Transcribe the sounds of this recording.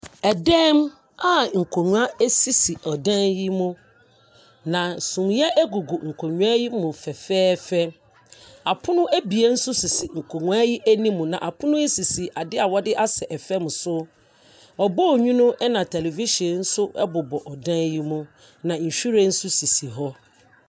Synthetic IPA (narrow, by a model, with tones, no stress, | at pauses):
ɛ˨dɛ̃˦m | a˨ŋ̩˨kʰo˨nũ˦a˦ɛ˦si˦si˨ɔ˨dã˦nji˦mʊ̃˦ | nã˨sʊ̃˨mjɛ˦ʔɛ˦ɡu˨ɡu˨ŋ̩˨kʰo˨ɲũ˦a˦ji˦mʊ̃˨fɛ˨fɛː˦fɛ˦ | a˨pʰʊ˦nʊ̃˦æ˦bi˨e˦n̩˦sʊ˦si˨si˨ŋ̩˨kʰo˨ŋũ˨a˦ji˦ʔæ˦nĩ˦mũ˨nã˨ʔa˨pʰʊ̃˦nʊ̃˦e˦si˨si˨ʔa˨dɪ˦a˨wɔ˦dɪ˦ʔa˦sɛ˨ʔɛ˨fɛ˦mʊ̃˨sʊ˦ | ɔ˨bɔ˦˨ɲᶣũ˦nʊ̃˦ʔɛ˦nã˨tʰɛ˨le˨vi˦ʃi˨ɛ̃˨n̩˦sʊ˦ɛ̰˦bʊ˨bɔ˨ʔɔ˨dã˦nji˦mʊ̃˦ | nã˨ɲ̩˨ɕᶣu˦ɾɛ̃˨n̩˦sʊ˦si˨si˨ɦɔ˦